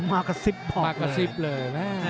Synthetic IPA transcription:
maː˧˩ka˧˩si˦˥p̚ːʰɔ˨˧a˧ka˧si˦˥p̚lɤː˧jmɛ˦˥˩

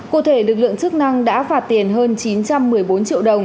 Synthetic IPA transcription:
kṵ˧˩t̪ʰe˧˩lɨ˨˩k̬̚lɨ̰˧˨əŋt͡ɕɨ˦˥k̚na˧ŋɗa̰ː˧˥faː˦˥t̚t̪i˨˩ənɦəː˧nt͡ɕi˨˦nt͡ɕa˧mːɨ˨˩əjjɓo˨˦nt͡ɕḭ˧˨əwɗə˨˩wŋ͡m

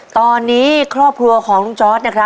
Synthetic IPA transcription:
t̪ɔː˧nːiː˦˥kʰɾɔː˥˩p̚kʰɾu˧ɐkʰɔː˩˦ŋt͡ɕɔː˦˥t̪̚na˦˥kʰɾa˦˥

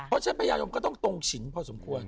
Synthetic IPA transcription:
pʰɔ˦˥t͡ɕʰa˦˥pʰa˧jaː˧jo˧mkɔː˥˩t̪ɔ˥˩ŋt̪o˧ŋt͡ɕʰi˩˦npʰɔː˧so˨˩˦mkʰu˧ən

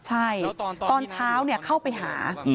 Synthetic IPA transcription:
t͡ɕʰa˥˩jt̪ɔː˧nt͡ɕʰaː˦˥wni˥˩ɐkʰa˥˩wpa˧jɦa̰ː˩˦

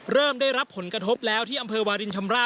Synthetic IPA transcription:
ɾɤː˥˩mdaː˥˩jɾa˦˥pʰːo˩˦nkɾa˧t̪ʰo˦˥p̚lɛː˦˥wt̪ʰiː˥˩ʔa˧mpʰɤː˧waː˧ɾi˧nt͡ɕʰa˧mɾaː˥˩

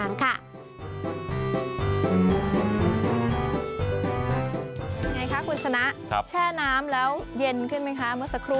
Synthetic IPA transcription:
a˨˦ŋkʰa˥˩˨ | ja˧ŋa˧jkʰa˦˥kʰu˧nt͡ɕʰa˧na˦˥ʔt͡ɕʰɛː˥˩naː˦˥mlɛː˦˥wje˧nkʰɯ˥˩nma˦˥jkʰa˦˥mɯ˥˩ɐsa˧kʰɾuː˦˩

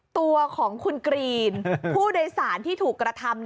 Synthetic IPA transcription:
t̪u˧ɐkʰɔː˩˦ŋkʰu˧nkɾiː˧npʰuː˥˩daː˧jsaː˩˦nt̪ʰiː˥˩t̪ʰuː˨˩kːɾa˧t̪ʰa˧m

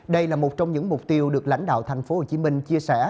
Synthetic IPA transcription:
ɗə˧jlaː˨˩mo˨˩t̚t͡ɕɔ˧wŋ͡mɲɨ̰˧˥ŋmʊ˨˩k͡p̚t̪i˧əwɗɨ˨˩ək̚la̰˧˥jŋ̟ɗa̰ː˧˨wt̪ʰa˨˩jŋ̟fo˨˦ho˨˩t͡ɕi˨˧˦mï˧ŋ̟t͡ɕi˧əsɛ˧˩

